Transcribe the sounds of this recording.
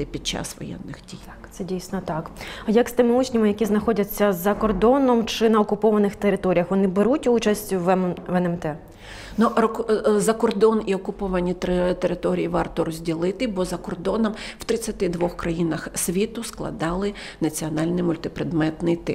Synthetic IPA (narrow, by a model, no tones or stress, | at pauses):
ɪpʲid̪̚t͡ʃɑ̰sʋɔ̰jɛ̰nːɪxdʲij | t̪sɛdʲijsʲnɔt̪ɑkjɐkst̪ɪmɪut͡ʃʲnʲimɪjɐkʲiznɐxɔdʲɐt͡sʲːɐzɐkɔrd̪ɔnɔmt͡ʃɪnɐɔkʊpɔʋɐnɪxt̪eɾɪt̪ɔɾʲijɐxʋɔnɪbeɾutʲut͡ʃɐsʲtʲʊʋʋɛnɛmt̪ɛ | nu | zɐkɔrd̪ɔniɔkʊpɔʋɐnʲit̪t̪eɾɪt̪ɔɾʲijiʋɑrt̪ɔɾɔzʲdʲilˠɪt̪ɪbɔzɐkɔrd̪ɔnɔmw̥t̪ɾɪt͡sʲːɐt̪ɪd̪ʋɔxkɾɐjinɐxsʲʋʲit̪ʊsklˠɐ̰d̪ɑlˠɪ | nɐt͡sʲiɔnɑlʲnɪjmʊlʲt̪ɪpɾed̪mɛt̪nɪjt̪ɪ̰